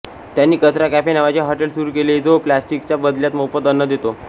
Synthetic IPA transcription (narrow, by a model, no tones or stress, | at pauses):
t̪janːiːkət̪ɾakæpenaʋat͡ɕjaɦɔʈəlsuɾuːkeled͡zoplæsʈik̚t͡ɕjabəd̪ljat̪mopət̪ənːəd̪et̪o